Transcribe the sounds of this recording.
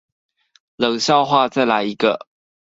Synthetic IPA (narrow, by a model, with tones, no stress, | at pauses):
lɤ˨˩ŋɕjɑ˥˧ʊxwa˥˧t͡sa˥˩ɪla˧˥ɪi˧˥ɡə̰˧˨